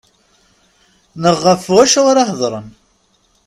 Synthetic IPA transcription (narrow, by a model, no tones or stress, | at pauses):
nəʁːəfuæʃʁʊɾɑhðˤɾˤə̰n